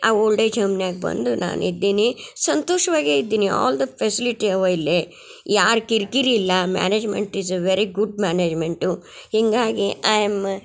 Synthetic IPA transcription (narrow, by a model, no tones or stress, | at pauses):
aoɭɖɐd͡ʒɐmnjaːɡbɐ̰nd̪una̰ːnid̪ːiːnisɐnt̪oːʂɐʋaːɡeid̪ːiːniɔ̰ːld̪ɐpʰesiliʈiɐʋɐilːe | jaːɾkiɾkiɾiːlːɐma̰ːneːd͡ʒmḛɳʈizeʋeɾiɡuɖmaːneːd͡ʒmeɳʈu | hiŋɡaːɡiʔɐjm